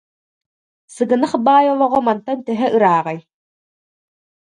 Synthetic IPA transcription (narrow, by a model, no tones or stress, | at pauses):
sɯɡɯnaχbaːjɔlˠɔʁɔmant̪ant̪ɛɦɛʔɯɾaːʁaj